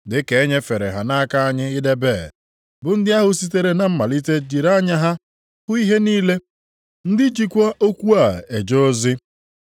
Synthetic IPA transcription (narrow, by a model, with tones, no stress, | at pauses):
dɪ˨ke˨e˦ɲe˦fe˨ɾḛ˨ɦa˨na˦a˦ka˦a˦ɲɪ˦ɪ˦de˦be˦˨ | bʊ˨n̩˦dɪ˦a˦ɦʊ˨si˦te˦ɾe˦na˦m̩˦ma˨li˦te˦d͡ʒi˨ɾa˦ɲa˦ɦa˦ | hʊ˦i˦ɦe˦niː˦le˦ | n̩˦dɪ˦d͡ʒi˦kʷa˦ʔo˦kʷu˦a˨e˨d͡ʒo˦zɪ˦